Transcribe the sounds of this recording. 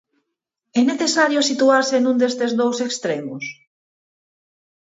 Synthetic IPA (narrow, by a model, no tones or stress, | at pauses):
ɛneθesaɾjʊsit̪uaɾsenũnd̪est̪ezðowsekst̪ɾemʊs